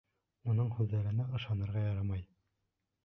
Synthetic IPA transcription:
unɤɴhʉðːæɾɘ̆næʔɤ̆ʃɑnɤ̆ɾʁɑjɑɾɑmɑj

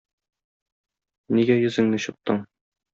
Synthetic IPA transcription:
niɡæjɵ̆zɘ̆ŋnɘɕŏt̚t̪ːɤɴ

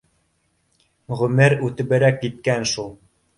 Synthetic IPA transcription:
ʁɵ̆mɘɾʉt̪ɘ̆βɘ̆ɾækːit̪̚kænʃulˠ

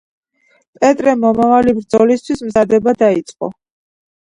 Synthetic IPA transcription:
pʼɛt̪ʼɾɛmɔmavalibɾd̪zɔlist̪ʰwismzad̪ɛbad̪ait̪sʼqʼɔ̰

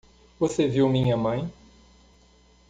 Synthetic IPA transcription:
voseviwmĩɲɐmɐ̃j̃

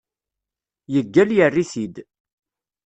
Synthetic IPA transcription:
jəɡːæljərːiθid̪

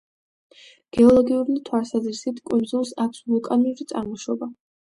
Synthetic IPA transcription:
ɡ̥ɛɔlˠɔɡiuɾnit̪ʰwalˠsazɾisit̪ʰkʼund̪zulˠsakʰsvulˠkʼaniuɾit̪sʼaɾmɔʃɔba

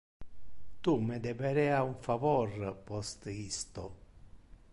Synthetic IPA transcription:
t̪umed̪ɛbɛɾɛːauɱfavɔrpɔst̪ist̪o

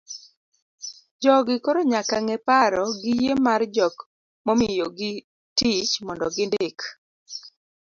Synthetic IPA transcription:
d͡ʒɔɡɪkoɾoɲakaŋɛpaɾɔɡɪjemard͡ʒɔk | momɪjoɡɪ | tit͡ʃmɔndɔ̰ɡɪndek

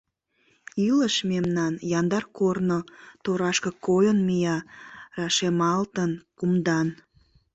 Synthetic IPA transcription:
yləʃmemnɑnjɑnd̪ɑrkornot̪oɾɑʃkəkojənmijɑrɑʃemɑlt̪ənkumd̪ɑn

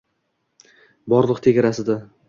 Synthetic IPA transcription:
bɒɾlˠɨqt̪ʰe̞ɡʲaɾasɪd̪a

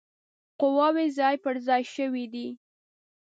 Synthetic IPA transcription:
qʊwɑwezɑjpəɾzɑjʃəwid̪i

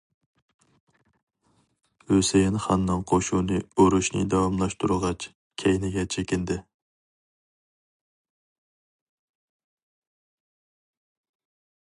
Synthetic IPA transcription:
høsejinχɑnːɨŋqʰoʃuːnɨoɾuʃnɨ̰d̪ɑwɑmlˠɑʃt̪uɾɨʁɑt͡ʃʰ | kʲʰɛjnɪɡʲɛt͡ʃʰekʲɪnd̪ɪ

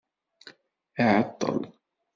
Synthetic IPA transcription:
ʔaʕɑt̪ˤːɑ̰l

